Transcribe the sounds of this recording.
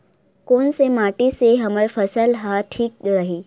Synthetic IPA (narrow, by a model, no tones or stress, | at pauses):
konsemaʈiseɦəməɭfəsəlɦaʈʰiːk̚ɡaɦiː